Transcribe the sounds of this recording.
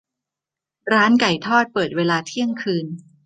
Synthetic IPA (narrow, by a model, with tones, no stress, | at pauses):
ɾaː˦˥nka˨˩jt̪ʰɔː˥˩t̪̚pɤː˨˩t̪̚weː˧laː˧t̪ʰi˥˩əŋkʰɯː˧n